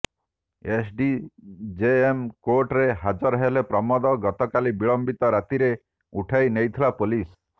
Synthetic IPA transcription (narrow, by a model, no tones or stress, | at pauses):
esɖid͡ʒeemkoɾʈɾeɦad͡ʒɔɾɔɦelepɾɔmɔd̪ɔɡɔt̪ɔkalibiɭɔmbit̪ɔɾat̪iɾe | uʈʰajnejt̪ʰilapolis